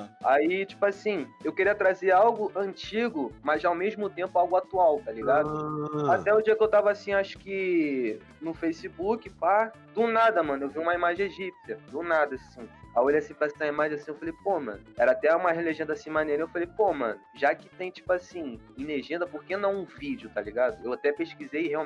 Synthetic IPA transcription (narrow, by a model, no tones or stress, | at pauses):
ait͡ʃi̥pʊasĩewkeɾiɐt̪ɾazeawɡʊʔɐ̃t͡ʃiɡʊmɐzawmeʒmʊt̪ẽmpʊawɡʊat̪uawt̪aliɡad̪ʊat̪ɛʊd͡ʒiɐkɪewt̪avɐasĩaʃʊ̥kɪ | nʊfejsibukɪpa | d̪ʊnad̪ɐmɐ̃nʊewviũmɐimaʒẽj̃eʒipsɐd̪ʊnad̪ɐsĩajolejasĩpɾasĩɐimaʒẽj̃asĩewfalejpomɐ̰̃nʊɛɾɐat̪ɛũmɐɦeleʒẽnd̪ɐasĩmaneɾɐewfalejpomɐ̰̃nʊʒakɪ̥t̪ẽj̃t͡ʃi̥pʊasĩ | ĩneʒẽnd̪ɐpoχkenɐ̃w̃ũvid͡ʒʊt̪aliɡad̪ʊewat̪ɛpeʃkizejɦeaw